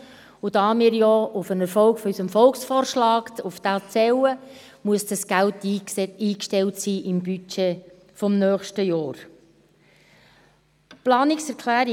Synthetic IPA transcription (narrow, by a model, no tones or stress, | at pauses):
ʊd̥̪ɑːmiːɾjɔʊfənɛɾfɔlkfɔysəmfɔlksfɔːɾʃlɑːkuft̪at͡sɛwə | muəsd̥ɑsɡ̥æltiiːkʃtɛltsiːʔɪmbyt͡ʃe | fɔmnœːχʃtəjɔːɾ | plɑːnɪksɛɾkʰlæːɾi